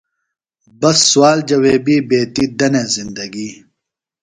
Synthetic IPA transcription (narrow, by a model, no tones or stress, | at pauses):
bɐsːwaːld͡ʑɐweːbiːbeːt̪id̪ɐnezind̪ɐɡiː